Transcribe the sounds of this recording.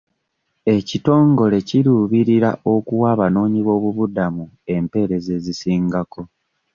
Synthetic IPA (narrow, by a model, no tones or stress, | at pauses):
e̞cito̞ːŋɡo̞le̞ciɾuβiɾiɾa̰ʔo̞kuwaːβano̞ːɲiβo̞ːβuβudamu | e̞mpe̞ːɾe̞ze̞zisiːŋɡako̞